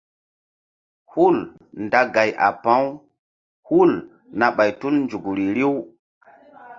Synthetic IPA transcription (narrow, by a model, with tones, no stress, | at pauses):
hu˦l | nda˦ɡa˨jʔa̰˨pã˦w | hu˦l | na˨ɓa˨jtu˦lnd͡ʒu˨ɡɾi˨ɾi˦w